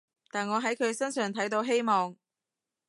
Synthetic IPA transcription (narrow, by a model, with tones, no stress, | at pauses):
t̪aː˨˩nŋɔː˨˧ɦɐ˨˥jkʰɵ˨˧ɥsɐ˥nsœː˨˩ŋt̪ʰɐ˨˥jt̪o˨˧wɦe˥jmɔː˨ŋ